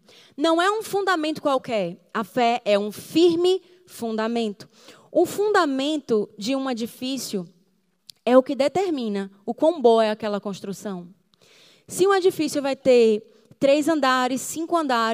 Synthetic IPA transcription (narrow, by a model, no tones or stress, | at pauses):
nɐ̃w̃ɛũfũnd̪amẽnt̪ʊ̥kwawkɛɾɐfɛɛũfiɾmɪ | fũnd̪amẽnt̪ʊ̥ | ũfũnd̪amẽnt̪ʊd͡ʒɪũed͡ʒifisjʊ | ɛʊkɪd̪et̪eɾmĩnɐʊkõw̃boɛakɛlɐkõʃt̪ɾusɐ̃w̃ | sɪũed͡ʒifisjʊvajt̪eɾ | t̪ɾejzɐ̃nd̪aɾɪsːĩŋkʊɐ̃nd̪a